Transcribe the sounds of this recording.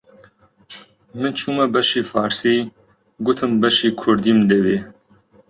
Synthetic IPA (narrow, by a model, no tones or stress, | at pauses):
mɨnt͡ʃʰuːmɛbɐʃiːfɑːɾsiː | ɡʊt̪ʰɨmbɐʃiːkʰʊɾd̪iːmd̪ɛbeː